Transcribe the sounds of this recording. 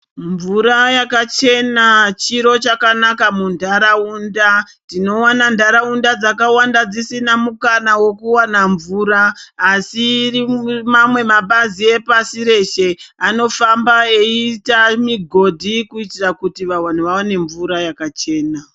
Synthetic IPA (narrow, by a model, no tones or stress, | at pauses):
ɱvuɾajakat͡ʃe̞nat͡ʃiɾo̞t͡ʃakanakamundʱaɾaunda | ntino̞wanandʱaɾaundad͡zakawandad͡zisinamukanawo̞kuwanaɱvuːɾaːsirimamwe̞maɓazie̞pasiɾe̞ʃe̞ano̞fambae̞itamiɡʱo̞dʱikuitirakutiʋawan̤uʋawane̞ɱvuɾajakat͡ʃe̞ːna